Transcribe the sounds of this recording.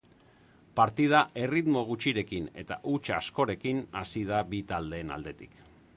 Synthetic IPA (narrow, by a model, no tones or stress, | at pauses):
paɾt̪ið̞aʔe̞rit̪mo̞ɣ̞ut͡ʃiɾe̞kine̞̰t̪a̰ʔut͡ʃasko̞ɾe̞kinasið̞aβit̪ald̪e̞ːna̰ld̪e̞t̪i̥k